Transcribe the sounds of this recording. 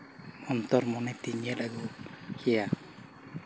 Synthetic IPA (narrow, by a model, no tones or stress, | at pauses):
ɔnt̪ɔɾmɔnɛt̪iɲɛlaɡɔkʰija